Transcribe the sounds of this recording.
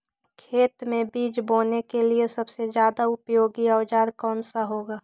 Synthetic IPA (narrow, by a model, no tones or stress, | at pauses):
kʰeːt̪mẽbiːt͡ʃboːnekeliesɐbsed͡ʒjaːd̪aʊpjoːɡiɔːd͡ʒaːɾkɔːnsaɦoːɡaː